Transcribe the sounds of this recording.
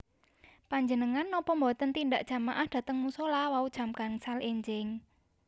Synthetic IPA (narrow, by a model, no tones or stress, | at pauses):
paɲd͡ʒənəŋanːɔpɔmbɔt̪ənt̪indaʔd̥ʒ̥a̤maʔahd̪̥a̤t̪əŋmusolawaud̥ʒ̥a̤mkaŋsalʔeɲd͡ʒɪŋ